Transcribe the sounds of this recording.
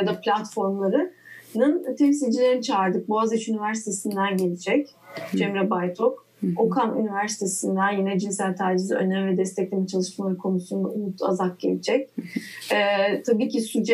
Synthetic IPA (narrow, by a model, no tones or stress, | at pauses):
jad̪aplʲat̪fo̞ɾmlˠaɾɯnɯnt̪ʰɛmsilʲd͡ʒilʲe̞ɾinit͡ʃʰaːɾd̪ɯk̚buazit͡ʃynivæɾsi̥t̪ʰe̞sind̪ænɟe̞lʲid͡ʒɛc | d͡ʒɛmɾɛbajt̪ʰok | okʰamy̰nivæɾsi̥t̪ʰe̞sind̪ænjenɛd͡ʒinsælʲt̪ʰaːɾd͡ʒiziø̞̰nɛmvɛd̪ɛst̪ʰɛclʲemint͡ʃʰalˠɯʃmalˠaɾɯkʰo̞nusund̪a̰ʔunut̪ʰa̰zak̚ɟḛlʲid͡ʒɛc̚ | ɛːt̪ʰabiːcʰisyd͡ʒɛ